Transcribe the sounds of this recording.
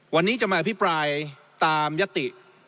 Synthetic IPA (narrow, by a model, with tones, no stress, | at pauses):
wa˧nːiː˦˥t͡ɕa˨˩maː˧ʔa˧pʰi˦˥pɾaː˧j | t̪aː˧mja˦˥t̪ːi˨˩ʔ